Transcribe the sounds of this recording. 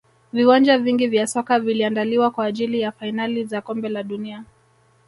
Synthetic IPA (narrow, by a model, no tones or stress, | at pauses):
viwand͡ʒaviŋɡivjasɔkaviliandaliwakwaːʄilijafainalizakɔmbɛlaɗunia